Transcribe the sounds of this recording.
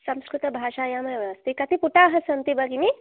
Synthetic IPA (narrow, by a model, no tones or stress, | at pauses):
sɐmskɾut̪ɐbʱaːʃaːjaːmɐjnast̪ikɐt̪ipuʈaːɦɐsɐnt̪ibɐɡimi